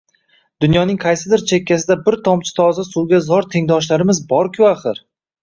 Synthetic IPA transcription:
d̪̥ʊnjɒnɪŋqʰɑjsɪd̪ɪɾt͡ʃʰe̞kʲʰːas̬ɪd̪abɪɾt̪ʰɒmt͡ʃʰɪ̥t̪ʰɒzasuwɡʲazɒɾt̪ʰe̞ŋd̪ɒʃlaɾɪmɪzbɒɾkʲʰʊaχɨɾ

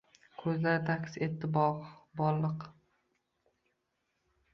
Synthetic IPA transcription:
kʰɵzlaɾɪt̪ʰakʲset̪ːɪbɒqbɒɾlːɨq

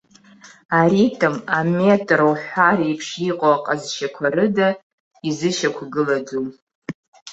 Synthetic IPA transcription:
aɾitʰʼɨmametʼrowħʷaɾaipʰʂiqʼoaqʼazʃakʷʰaɾɨda | izɨʃakʷʰɡɨlad͡zu

